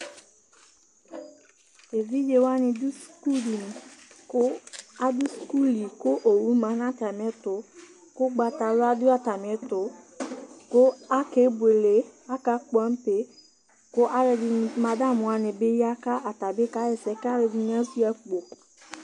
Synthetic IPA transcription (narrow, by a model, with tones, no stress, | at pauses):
e˨vi˦d͡ʒe˨wa˦nɪ̃˨dʊ˦sku˦di˨n˨kʊ˦a˦dʊ˦sku˦li˨kʊ˦ʔo˨wu˦mã˨˦nã˦ta˨m˨ɛ˨˦tʊ˨˦ | kʊ˦ɡ͡ba˨ta˨lʊ˦a˦dʊ˦a˨ta˨m˨ɛ˨˦tʊ˨ | kʊ˦a˦ke˨˦bwe˨le˨˦a˦ka˦k͡pã˨˦m̩˦pe˦ | kʊ˦ʔa˦ɾɛ˨dɪ˨˦ma˨da˦˨mʊ̃˨a˨nɪ̃˨bɪ˦ja˦ka˦ʔa˨ta˨bɪ˦ka˦jɛ˨sɛ˨˦ka˦ɾɛ˧dɪ˦ɲ˦ã˦si˦a˦k͡po˨